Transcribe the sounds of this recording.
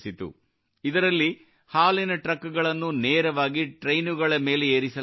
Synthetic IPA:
sit̪ṵ | id̪ɐɾɐlːi | haːlinɐʈɾɐkːuɡɐɭɐnːuneːɾɐʋaːɡiʈɾejnuɡɐɭɐme̞ːleeːɾisɐ

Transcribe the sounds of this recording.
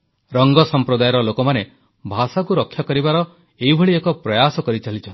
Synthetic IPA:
ɾɔŋɡɔsɔmpɾɔd̪ajɾɔlokɔmane | bʱasakuɾɔkʰːjɔkɔɾibaɾɔ | eibʱɔɭiekɔpɾɔjasɔkɔɾit͡ʃalit͡ʃʰɔnt̪i

